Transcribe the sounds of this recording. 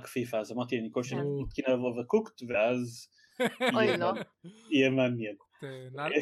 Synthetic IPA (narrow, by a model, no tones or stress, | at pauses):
kfifaazamaʁt̪ianikoʃemat̪kinavovəkukt̪veaz | ojlojemanjɛn